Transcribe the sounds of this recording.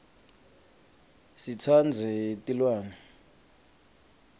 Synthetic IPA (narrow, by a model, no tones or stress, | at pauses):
sit͡sʰand͡zʱɛtʼilwaːnɛ